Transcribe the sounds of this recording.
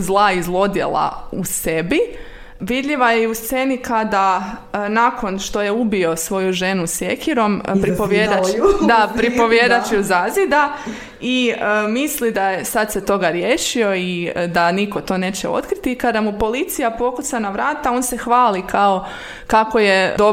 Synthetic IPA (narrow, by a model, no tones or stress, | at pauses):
zlˠaizlˠo̞d̪jḛlˠa̰usebi | ʋid̪ʎiʋajeust̪se̞nikad̪anako̞nʃt̪o̞je̞ubio̞sʋo̞juʒe̞nusje̞kiɾo̞mpɾipoʋjed̪ad̪apɾipo̞ʋjed̪at͡ʃiuzazid̪a | iəmislid̪ajesad̪se̞t̪o̞ɡaɾjeːʃio̞id̪aniko̞t̪o̞ːne̞ːt͡ɕḛo̞̰t̪kɾit̪ikad̪amupo̞lit̪sijapo̞kusanaʋɾaːt̪aoːnse̞xʋaːlikao̞ | kako̞je̞d̪o